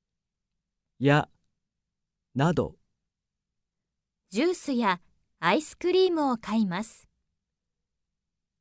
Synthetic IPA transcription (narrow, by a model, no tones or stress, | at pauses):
ja | nad̪o̰ | d͡ʑɨːsɨjaː | isɨ̥kɯ̟ɾʲiːmɯ̟o̞kaimasɨ̥